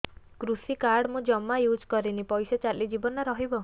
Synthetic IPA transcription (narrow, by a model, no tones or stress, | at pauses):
kɾusikaɾɽmũd͡ʒɔmːajud͡ʒkɔɾinipɔjset͡ʃaɾlid͡ʒibɔnɔɾɔɦibɔ